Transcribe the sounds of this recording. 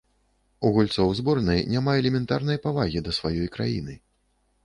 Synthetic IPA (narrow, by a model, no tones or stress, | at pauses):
uɣulʲt̪sɔwzbɔrnɐjnʲamaɛlʲɛmʲɛnt̪a̰rnɐjpavaɣʲid̪ɐsvajɔjkɾajḭnɨ